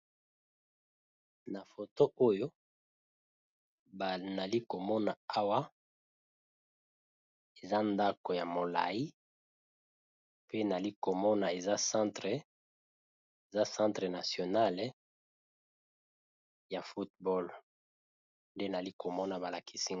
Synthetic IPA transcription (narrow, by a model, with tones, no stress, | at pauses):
na˨fo˨to˦ʔo˦jo˦ | ba˨na˨li˦ko˨mɔ˦na˨a˦wa˦ | e˨za˦nda˦ko˨ja˨mo˨la̰˨ji˦ | pe˦na˨li˦ko˨mɔ˦na˨e˨za˦sã˦tʁe˨ | e˨za˦sã˦ntʁe˨na˨sjo˨na˦l | ja˨fu˦t̚bɔ˦l | nde˦na˨li˦ko˨mɔ˦na˨ba˨la˨ki˨si˦